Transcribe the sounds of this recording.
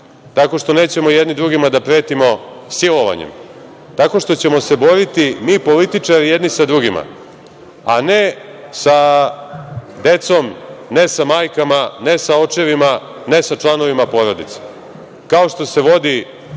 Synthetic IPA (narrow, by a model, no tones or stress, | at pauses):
t̪ako̞ʂt̪o̞ne̞ːt͡ɕe̞mo̞jed̪nid̪ɾuɡimad̪apɾe̞ːt̪imo̞silo̞ʋa̰ɲḛm | t̪ako̞ʂt̪ot͡ɕe̞mo̞se̞bo̞ɾit̪imiːpo̞lit̪it͡ʂaɾijed̪nisad̪ɾuɡima̰ | ane | sa | d̪e̞t̪so̞mne̞samaːjkamane̞sao̞t͡ʃe̞ʋima | nesat͡ʂlˠano̞ʋimapo̞ɾo̞d̪it̪se̥ | kao̞ʂt̪o̞se̞ʋo̞d̪i